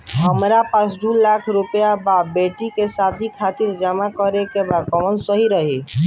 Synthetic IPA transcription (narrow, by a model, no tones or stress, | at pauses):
ɦəmɾapasɖulakʰɾupjababeʈikesad̪ʱikʰat̪iɾd͡ʒəmakəɾekebad̪̚kɔmənsəɦiɾəɦi